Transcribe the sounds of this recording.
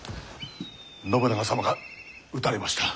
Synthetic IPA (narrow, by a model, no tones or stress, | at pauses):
no̞bɯnaɡasamaɡa | ɯt̪aɾʲemaɕi̥t̪ḁ